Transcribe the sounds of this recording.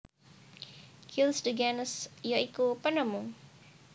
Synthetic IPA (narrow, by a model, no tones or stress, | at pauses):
kʰilsdəɡanəsjɔikupənəmuŋ